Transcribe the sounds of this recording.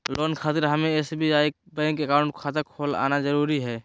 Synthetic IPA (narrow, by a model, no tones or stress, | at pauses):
loːnkʰaːt̪ɪɾɦəmẽeːsebʱiaːebɛ̃ːŋkekaːʊ̃ɳʈkʰaːt̪akʰoːla̰ːnazəɾuːɾiɦɛː